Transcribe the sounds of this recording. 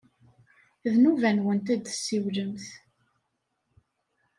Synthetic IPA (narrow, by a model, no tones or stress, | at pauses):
ðnuvænwənt̪̬æd̪sːiwləmθ